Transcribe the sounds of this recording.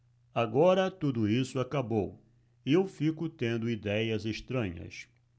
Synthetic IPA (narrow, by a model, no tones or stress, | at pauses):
aɡɔɾɐt̪ud̪ʊisʊakabow | ɪewfikʊt̪ẽnd̪ʊid̪ɛjɐzeʃt̪ɾɐ̃ɲɐ̰s